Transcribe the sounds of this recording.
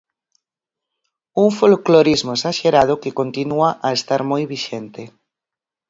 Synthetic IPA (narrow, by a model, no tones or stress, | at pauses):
uŋfolkloɾizmoesaʃeɾað̞ʊkɪkont̪inuaʔaest̪aɾmojβiʃent̪e